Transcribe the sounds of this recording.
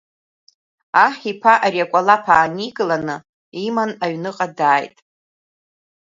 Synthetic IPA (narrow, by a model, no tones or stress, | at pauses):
aħipʰaʔariakʷʼalapʰaːniɡlanɨ | imanaɥnɨqʼadaːjtʼ